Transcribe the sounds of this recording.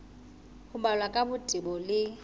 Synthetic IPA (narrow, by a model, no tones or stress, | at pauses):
hʊbalwakʼabʊtʼɪbɔlɪ